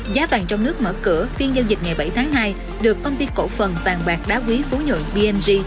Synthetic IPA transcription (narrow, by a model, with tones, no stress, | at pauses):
zaː˨˦va̰ː˨˩ŋt͡ɕɔ˧wŋ͡mnɨ˦˥ək̚mə̰ː˧˩kɨ̰˧˩əfi˧ənzə˧nzï˨˩k̟̚ŋa˨˩jɓa˧˩jt̪ʰaː˨˦ŋɦaː˧j | ɗɨ˨˩əkːə˧wŋ͡mt̪i˧ko̰˧˩fə˨˩nvaː˨˩ŋɓaː˨˩k̚ɗaː˨˦wkwi˨˦fu˨˦ɲo̰˧˨nɓi˧ʔɛ˧nzi˧